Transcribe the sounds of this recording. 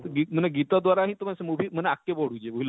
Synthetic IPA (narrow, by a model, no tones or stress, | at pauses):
t̪əɡim̤əɳeɡit̪ad̪ʋaɾaɦĩːt̪omasəmubʱiːm̤əneakːeboɽ̤ud͡ʑeuil